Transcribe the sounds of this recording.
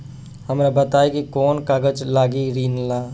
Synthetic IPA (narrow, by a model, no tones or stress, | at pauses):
hɐmɾabət̪aːekikɔːnkaːɡəd͡ʒlaːɡiɾiːnlaː